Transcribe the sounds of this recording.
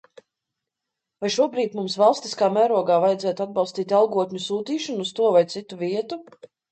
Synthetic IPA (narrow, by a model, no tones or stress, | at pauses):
vajʃuɔbɾiːt̪mumsvɑlˠst̪i̥skaːmæːɾuɔɡaːvajɛd̪ɛːt̪ad̪̚bɑwˠst̪iːt̪alˠɡuɔt̪ʲɲusuːt̪iːʃɔnːst̪uɔvajt̪sit̪uviɛt̪u